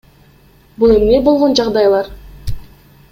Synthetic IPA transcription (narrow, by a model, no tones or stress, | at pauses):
bulˠemne̞bolˠʁo̞nd͡ʒɑʁd̪ɑjlˠɑɾ